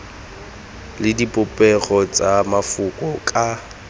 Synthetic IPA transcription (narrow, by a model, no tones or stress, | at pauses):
lɪdipʼʊpʼɛɣɔt͡sʼamafʊkʼɔkʼa